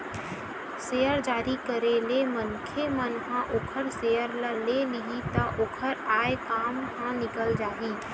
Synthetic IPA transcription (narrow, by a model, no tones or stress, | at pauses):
seːjəɾd͡ʒaːɾikəɾelemənkʰemənɦãʔoːkʰəɾsejəɾləlelɪɦit̪aʔoːkʰəɾaːekaːmɦãnɪkəld͡ʒaːɦiː